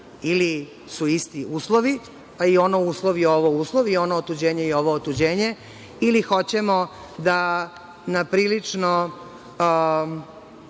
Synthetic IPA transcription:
ili | suist̪iuːslˠoʋi | aio̞nouːslˠoʋieoʋouːslˠoʋio̞noot̪ud͡ʑeːɲejeo̞ʋoːt̪ud͡ʑeːɲe | ilixo̞t͡ɕemo | d̪a | napɾiːlit͡ʂno

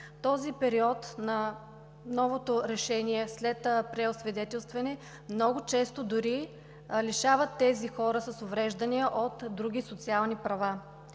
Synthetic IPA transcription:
t̪ɔzipɛɾiɔt̪nɐ | nɔvot̪oɾɛʃɛniɛslɛt̪pɾɛosvɛd̪ɛt̪ɛlˠst̪vɐnɛ | mnɔɡʊt͡ʃɛst̪od̪ʊɾi | liʃavət̪ːɛzixɔɾəsɐsovɾɛʒd̪ɐniəʔot̪d̪ɾuɡ̟ʲisot̪sialˠnipɾɐva

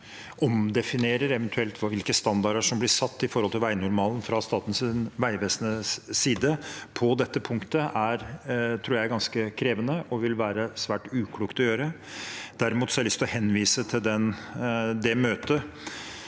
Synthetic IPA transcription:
ʔɔmd̪ɛfɪneːɾəɾɛʋənt̪ʰʉɛlt̪ʰʋɑʋɪlkəst̪ɑnd̪ɑɾəʂɔmblɪsɑt̪ːɪfɔɾhɔlt̪ʰɪlʋæɪnʊɾmɑːln̩fɾɑst̪ɑːt̪n̩sɪnʋæɪʋeːsənəsiːd̪əpʰɔd̪ɛt̪ːəpʰʊŋkt̪əʔæɾt̪ʰɾuːɾjæɪɡɑnskəkʰɾeːʋənəʔɔʋɪlʋæːɾəsʋæːʈʉːkʰluːkt̪ɔjøːɾə | d̪̥æɾɪmuːt̪sɔæɾlʏst̪ɔhɛnːʋiːsət̪ʰɪld̪ɛn | d̪ɛmøːt̪ə

